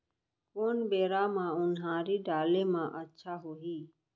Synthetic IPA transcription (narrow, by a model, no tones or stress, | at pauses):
koːnbeːɾaːmãːʊnɦãːɾiːɖaːleːmãːʔətːʃʰaːɦoːɦiː